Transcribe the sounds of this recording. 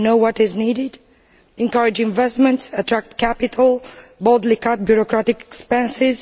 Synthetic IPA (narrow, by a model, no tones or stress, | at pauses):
noʊwʌtɪznidɪd | ɛ̃ŋkʌɹɪd͡ʒɪ̃ɱvɛstmɛ̃ntsətʰɹæk̚tkʰæpɪtʰəl̩ˠbodlikat̚bjuɹɔkɹatɪkɛ̥kspɛ̃nsɪz